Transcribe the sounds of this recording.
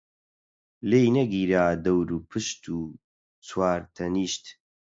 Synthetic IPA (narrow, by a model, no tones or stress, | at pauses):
lejnɐɡiːɾaːd̪ɐwɾuːpʰɨʃt̪ʰuː | t͡sʰwaːɾt̪ʰɐniːʃt̪